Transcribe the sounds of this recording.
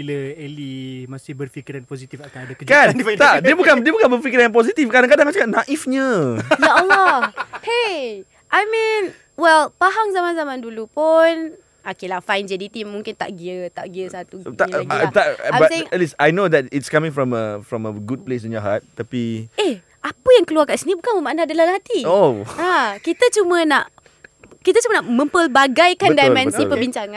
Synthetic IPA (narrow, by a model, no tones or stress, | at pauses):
iləɛlimasɪhbərfikiɾanposit̪ifakadəkəkant̪aʔdiəbukandiəbukanbərfikiɾãnp̬ɔzit̪ifkadaŋkadãŋat͡ʃakapnaʔifɲəjaəlape | ʔajmĩn | wɛlpaɦaŋzamãnzamãndulupʊn | okelafãjnd͡ʒɛdit̪imːũŋkɪnt̪a̰ʔɡiət̪aʔɡiəsat̪uɡaat̪aabtseɪŋɛtlisajnod̪ɛtitskamĩŋfɹɔ̃məfɹɔ̃məɡud̚ples̬ĩnjɔɦat̪̚ːapie | ʔapəjaŋkəluarkaʔsinibukanməmaʔnaadəlalhat̪ioakit̪ət͡ʃumə̃naʔ | kit̪at͡ʃumə̃naʔmə̃mpəlbaɡajkandajmɛ̃nsipəbiɲt͡ʃaŋãn